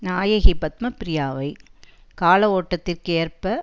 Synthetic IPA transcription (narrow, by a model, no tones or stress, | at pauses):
naːjɐɣipɐt̪̚mɐpɪɾɪjaːʋɐɪkaːlɐoːʈːɐt̪ːɪrkeːrpɐ